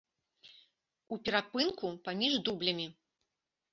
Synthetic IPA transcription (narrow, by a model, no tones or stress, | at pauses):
upʲɛɾapɨnkupamʲiʐd̪ublʲɐmʲi